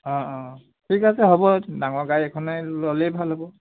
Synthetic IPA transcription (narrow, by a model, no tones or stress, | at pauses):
ɔ̃ɔ̃ | tʰikasɛɦobɔdaŋɔɹɡajɛkʰɔnalɔlejbʱalɦɔbɔ